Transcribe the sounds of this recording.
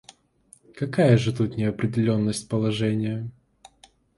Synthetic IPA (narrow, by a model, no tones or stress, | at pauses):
kɐkajəʐɨt̪ut̪nʲɪɐpɾʲɪdʲɪlʲo̞nːəsʲt̚ʲpəlˠɐʐɛnʲɪjə